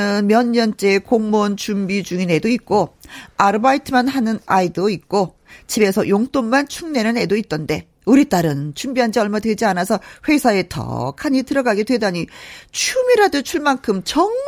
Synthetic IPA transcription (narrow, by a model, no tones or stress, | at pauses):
ɯnmjʌɲːʌnt͡ɕ͈e̞koŋmont͡ɕumbid͡ʑuŋine̞doik̚k͈oaɾɯbaitʰɯmanɦanɯnaidoik̚k͈o | t͡ɕibe̞sʰʌjoŋt͈ommant͡ɕʰuŋne̞nɯne̞doit̚t͈ʌnde̞ | uɾit͈aɾɯnt͡ɕʰumbiɦand͡ʑiʌɭmadwe̞d͡ʑianasʰʌɸwe̞sʰae̞tʌ̰kʰaɲitɯɾʌɡaɡedwe̞daɲit͡ɕʰumiɾadɯt͡ɕʰuɭmankʰɯmt͡ɕʌŋ